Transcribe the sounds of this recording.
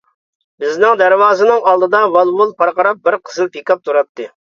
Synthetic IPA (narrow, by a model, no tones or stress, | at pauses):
bɪznɪŋd̪æɾwɑːzɨnɨŋɑlˠd̪ɨd̪ɑvɑlˠwulˠpʰɑɾqɑɾɑp̚bɪɾqʰəzɨlpʰekʲɑp̚t̪ʰuɾɑt̪ʰːɨ